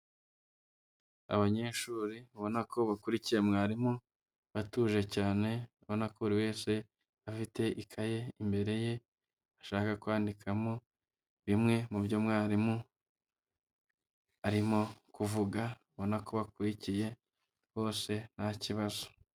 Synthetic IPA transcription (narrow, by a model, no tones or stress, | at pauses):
a̰βaɲe̞ːʃuːɾiβo̞nakʰo̞βakuɾicije̞mŋaːɾimo | βatuːʒe̞caːne̞ | βo̞nakouɾiwe̞ːse̞ | afite̞ʔikʰaje̞imbe̞ɾe̞je̞ | aʃaːkakwaːndikʰamo | βimŋe̞mubjomŋaːɾimo | aɾimokuvuɡa | βo̞nako̞βakuɾicije̞ | βo̞ːse̞naciβazo̞̥